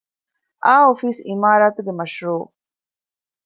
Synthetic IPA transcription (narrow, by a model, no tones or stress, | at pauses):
ʔaːɦofiːsimaːɾaːt̪uɡemɐʃɾuː